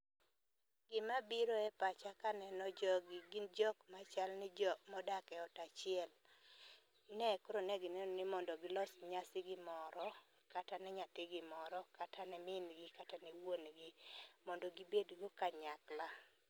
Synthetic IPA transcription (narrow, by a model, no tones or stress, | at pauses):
ɡ̥ɪmabiɾoɛpat͡ʃakanɛnɔd͡ʒɔɡɪɡɪnd͡ʒɔkmat͡ʃalnɪd͡ʒɔmɔdakɛɔtat͡ʃɪɛl | nɛkoɾonɛɡɪnɛnɪmɔndɔɡɪlɔsɲasɪɡɪmɔɾɔ | katanɛɲat̪ɪɡɪmɔɾɔkatʰanɛmɪnɡɪkatanɛwonɡɪmɔndɔɡibedɡokaɲakla